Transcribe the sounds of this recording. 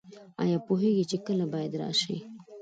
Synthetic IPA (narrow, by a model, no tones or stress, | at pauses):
ɑ̰jɑːpoɦeɡit͡ʃekəlabɑjad̪ɾɑ̰ʃḭ